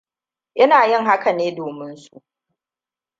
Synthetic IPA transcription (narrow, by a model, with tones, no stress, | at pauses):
ʔɪ˦naː˨jɪ˦˨ŋɦa˦ka˨neː˦doː˨mɪ˦nsṵ˦ʔ